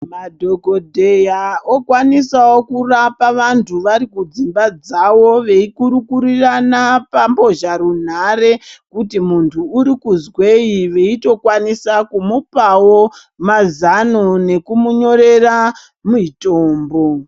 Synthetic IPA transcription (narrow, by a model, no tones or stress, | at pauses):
madʱo̞ɡʱo̞dʱe̞jaokwanisawokurapaʋantʰuʋaɾikud͡zimbad͡zawo̞ʋe̞ikuɾukuɾiranapambo̞ʒaɾun̤are̞kutimuntʰuːɾikuzwe̞iʋe̞ito̞kwanisakumupawo | mazanone̞kumuɲo̞ɾe̞ra | muitoːmbo̞